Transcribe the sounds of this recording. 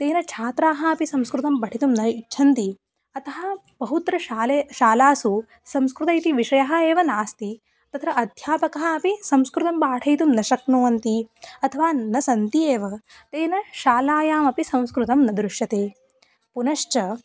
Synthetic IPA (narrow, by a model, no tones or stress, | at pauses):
t̪eːnɐt͡ʃʰaːt̪ɾaːɦɐɐpisɐmskɾut̪ɐmbɐʈʰit̪umnɐitːt͡ʃʰɐnt̪i | ɐt̪ʰɐɦɐ | bɐɦut̪ɾɐaleʃaːlaːsu | sɐmskɾut̪ɐjt̪iʋiʂɐjɐɦɐ̆eːʋɐnaːst̪i | t̪ɐt̪ʰɾɐʔɐd̪ʱjaːpɐkɐɦɐ̆ɐpisɐ̃mskɾut̪ɐmbaːʈʰɐjt̪umnɐʃɐknuːɐnt̪iɐt̪ʰɐʋaːnɐsɐnt̪ieːʋɐ | t̪eːnɐʃaːlaːjaːmɐpisɐ̃mskɾut̪ɐmnɐd̪ɾuʂjɐt̪eː | punɐʃt͡ʃɐ